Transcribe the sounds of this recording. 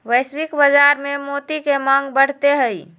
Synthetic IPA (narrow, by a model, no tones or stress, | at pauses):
ʋəjswikbəd͡ʒaɾmemot̪ikeməŋɡbəɽ̤t̪eɦəj